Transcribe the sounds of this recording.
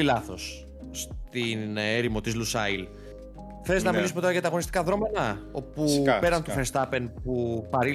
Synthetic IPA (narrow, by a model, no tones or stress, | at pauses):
ilɐθo̞s | st̪ineɾimo̞t̪izlusɐil | θe̞leznɐmilisumeoɾɐʝɐt̪ɐːɣo̞nist̪kɐðɾo̞menɐo̞pupe̞ɾɐnt̪ufeɾst̪ɐpe̞npupɐɾi